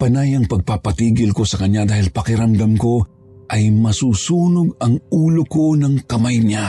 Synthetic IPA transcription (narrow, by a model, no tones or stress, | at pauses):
pɐnajɐŋpɐɡ̚papɐt̪iːɡɪlko̞sɐkɐɲad̪aːhɪlpɐkɪɾɐmd̪ɐmko̞ | ʔɐjmɐsuːsuːnoɡɐŋuːloko̞nɐŋkɐmajɲa